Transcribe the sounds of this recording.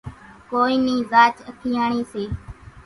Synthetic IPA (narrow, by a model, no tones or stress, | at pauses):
koːiːniːzaːt͡ʃəkʰiːaːɳiːseː